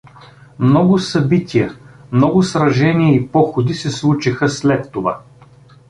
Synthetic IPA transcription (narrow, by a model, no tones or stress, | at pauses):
mnɔɡʊsɐbit̪ʰʲijəmnɔɡʊsɾɐʒɛniəipɔxod̪isɛslˠut͡ʃixəslɛt̪ːova̰